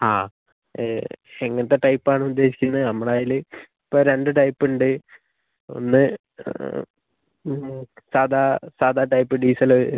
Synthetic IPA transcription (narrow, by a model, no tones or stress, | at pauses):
aː | eŋːɐnɐt̪ːe̞ʈɐjpːaːɳɨud̪ːe̞ːɕi̥kʲːunːɐðɨɐmːɐɽaːjilɨipːoːɾe̞ɳɖɨʈɐjpːuɳɖɨ | o̞̰nːɨ | saːd̪ʱasaːd̪ʱaːʈɐjpːɨɖiːsɐlo